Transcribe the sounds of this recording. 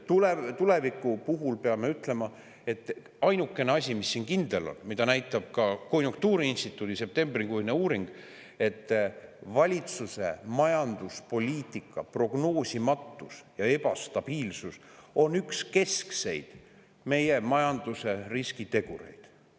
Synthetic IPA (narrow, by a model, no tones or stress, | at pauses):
t̪ulet̪ule̞vikːˑupuɦulpe̞ɑme̞yt̪ːˑle̞mɑ | e̞t̪ːˑ | ɑjnukːˑe̞neɑs̬ʲimisːiːnkind̪̥elo̞̰nmid̪ɑnæjt̪ːˑɑb̥̚kɑko̞nʲjuŋk̚t̪uːɾiinst̪it̪ːˑuːd̪̥ise̞p̚t̪e̞mbriŋkujneuːɾiŋɡ̥ | e̞t̪ːˑvɑlʲit̪suse̞̰mɑjɑnd̪̥uspo̞lʲiːt̪ˑikːˑɑ̰pro̞ɡ̥no̞ːsʲimɑt̪ːˑusjɑe̞pɑst̪ɑb̥iːlsuso̞nykske̞skse̞̰jd̪̥ | me̞je̞mɑjɑnd̪̥use̞riskit̪e̞ɡ̥uɾe̞̰jd̪̥